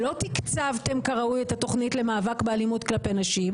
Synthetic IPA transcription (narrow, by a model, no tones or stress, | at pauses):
lo̞t̪ikt͡savt̪e̞mkaʁaujet̪at̪o̞χnitle̞maːvakbealimut̪klape̞naʃim